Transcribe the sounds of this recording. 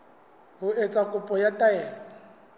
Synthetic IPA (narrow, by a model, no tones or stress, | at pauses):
ɦʊet͡sʼakʼʊpʼɔjatʼaɛːlɔ